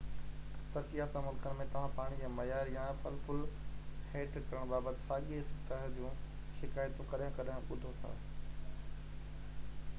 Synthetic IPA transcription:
t̪ɐɾkijasãmʊlkənɪ̆mẽt̪ɐʋ̤ãpaːɽ̃id͡ʑaːmɐjaːɾjaːfɐlfʊlheːʈkɐɾəɽ̃baːbət̪ɪsaːɠeɪst̪ɐɦd͡ʑũː | ʃɪkaːjt̪okɐɗjʊ̃kɐɗʊ̃kʊd̪ʱot̪ʰa̰ː

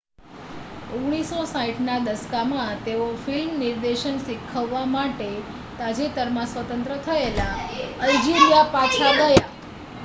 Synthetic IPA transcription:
oɡɽ̃isosãiʈʰnad̪əskamãt̪eofilmniɾd̪eʃənsikʰːəʋːamaʈe | t̪ad͡ʒet̪əɾmãsʋət̪ənt̪ɾət̪ʰəelaəid͡ʒiɾijapat͡ʃʰaɡ̪əja

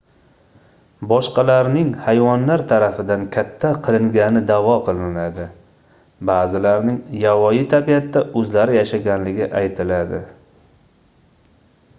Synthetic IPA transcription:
bɒʃqɑlaɾnɪŋhajvɒnlaɾt̪ʰaɾafɪd̪ankʲʰat̪ʰːaqʰɨlɪŋɡʲanɪd̪avɒqʰɨlˠɪnlad̪ɪ | baːzɪlaɾnɪŋjavɒjɪt̪ʰabijat̪ːaʔɵzlaɾɪjaʃaɡʲanlɪɡʲɪʔajt̪ʰɪlad̪ɪ

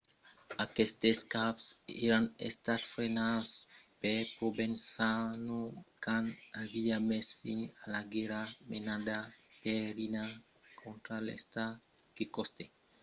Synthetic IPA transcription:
akest̪eskapseɾanḛst̪at̪fɾenaspekobensanukanaβiamesfiɲalaɡeɾamenad̪apeɾina | kʰont̪ɾalḛst̪a | kikost̪e

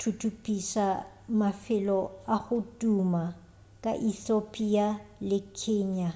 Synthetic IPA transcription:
tʰutʰupʼisa | mafɪlɔaχʊtʼuma | kʼa̰ʔiθopʼialɪkʰɛːɲa

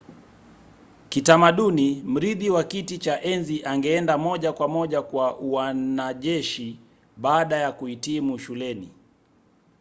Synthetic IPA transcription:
kitamaɗunim̩ɾiðiwakitit͡ʃaʔɛnziʔaŋɡɛɛndamɔʄakwamɔʄakwawanaʄɛʃi | ɓaːɗajakuitimuʃulɛni

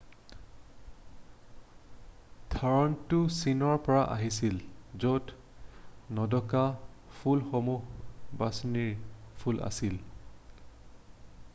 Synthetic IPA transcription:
dʰʱaɹɔntʊsinɔɹpɔɹaʔa̰ɦisilzot | nɔdɔkapʰulxomuxbasniɹpʰulʔa̰sil

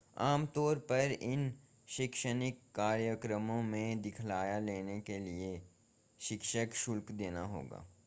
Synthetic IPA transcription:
aːmt̪ɔːɾpɐɾɪn | ʃɪkʃənɪkːaːɾjəkɾəmõmẽd̪ɪkʰlaːjaleːnekelie | ʃɪkʃəkʃʊlkd̪eːna̰ɦo̰ːɡa̰ː

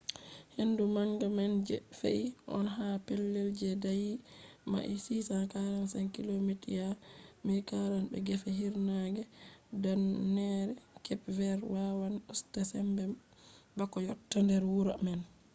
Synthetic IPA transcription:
hendumaŋɡamand͡ʒɛfḛʔiʔɔ̰nɦapelːɛld͡ʒɛdajima̰ʔisisakaɾansɛnkilomitijamikaɾanbɛ̰ɡɛfɛɦiɾnaɡɛdanːɛɾɛkɛpvɛɾwawanɗustasɛmbɛ | bakːɔjɔtːandɛɾwuɾamɛn

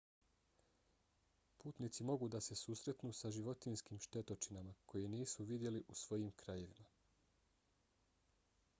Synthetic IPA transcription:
puːt̪nit̪simo̞ɡud̪ase̞suːsɾe̞t̪nusaʒiʋo̞t̪inskiːmʃt̪e̞t̪o̞t͡ʃinamakʰo̞jeniːsuʋid̪je̞liʔusʋo̞jiːmkɾaje̞ʋima

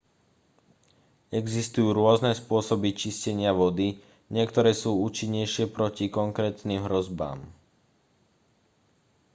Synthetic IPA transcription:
ɛɡzist̪ujuːɾʊɔznɛspʊɔsɔbit͡ʃiscɛɲɪaʋɔd̪i | ɲɪɛkt̪ɔɾɛːsuːuːt͡ʃiɲːɛjʃɪɛpɾɔcikɔŋkɾɛːt̪nimɦɾɔzba̰ːm

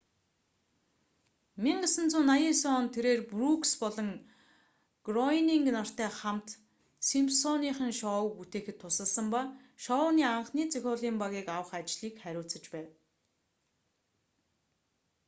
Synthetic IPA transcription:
miɴɢə̆sə̆nt͡sʊːnajinsɔːnt̪ʰeɾeːrprukspɔɮɞ̆ŋ | ɡ̥rɔniŋɡnar̥t̪æːχamt̪ | simpsɔniːχə̆ŋʃɔwput̪eːxɘ̆t̪ʰːʊsə̆ɮsə̆mpa | ʃɔʊniːaɴχniːt͡sixʲɔːɮiːmpaɣiːkawə̆χat͡ɕɮiːkχæɾʲʊːɬt͡sə̆t͡ɕpæːw

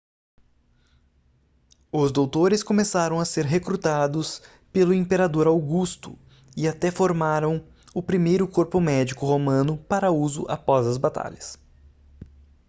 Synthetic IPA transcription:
ʊzd̪owt̪oɾɪskõmesaɾɐ̃w̃ɐseɾɦekɾut̪ad̪ʊs | pelʊĩpeɾad̪oɾawɡust̪ʊ̰ | ɪat̪ɛfoɾmaɾɐ̃w̃ | ʊpɾimejɾʊkoɾpʊmɛd͡ʒikʊɦomɐ̃nʊpaɾɐuzʊ̰ʔa̰pɔzɐzbat̪a̰ʎɐs

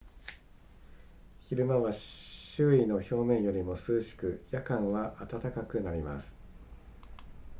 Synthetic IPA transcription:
çiɾɯ̟maβaɕɕɨːino̞ço̞ːmẽ̞ɰ̃jo̞ɾʲimo̞sɨːɕi̥kɯ̟jakãɰ̃βaʔat̪at̪akakɯ̟naɾʲima̰sɨ̥

